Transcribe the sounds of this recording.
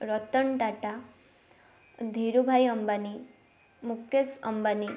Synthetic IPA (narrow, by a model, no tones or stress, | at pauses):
ɾɔt̪ɔɳʈaʈa | d̪ʱiɾubʱajəmbani | mukʰesʌmbani